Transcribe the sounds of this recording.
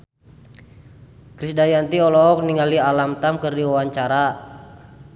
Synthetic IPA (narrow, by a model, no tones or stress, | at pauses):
kɾisdajant̪iɔlɔk̚niŋalialamt̪amkərdiwawaɲt͡ʃaɾa